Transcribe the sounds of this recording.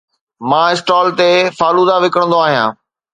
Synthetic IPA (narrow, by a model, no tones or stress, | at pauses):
mãːɪsʈɔːlt̪efaːluːd̪aʋɪkəɽ̃nd̪oaːɦijãː